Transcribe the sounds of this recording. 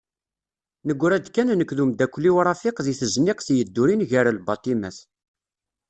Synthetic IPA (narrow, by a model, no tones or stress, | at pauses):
nəɡʷːɾæd̪kːænnəkːðumd̪ækʷːlːiwɾˤɑfɪqðiθəznɪqθjəd̪ːuɾinʝəɾælbɑt̪ˤimæθ